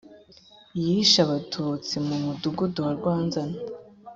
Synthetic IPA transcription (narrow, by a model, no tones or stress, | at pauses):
ijiiʃaβatʰut͡simumuduɡuduwaɾɡwaːnzana